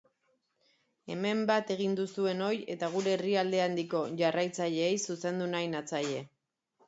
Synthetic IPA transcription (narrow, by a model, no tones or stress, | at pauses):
e̞me̞mbat̪e̞ɣ̞ind̪usue̞no̞je̞t̪aɣ̞uɾe̞ːriald̪e̞and̪iko̞ʝarajt͡saʎe̞ːjsuse̞nd̪unajnat͡saʎe̞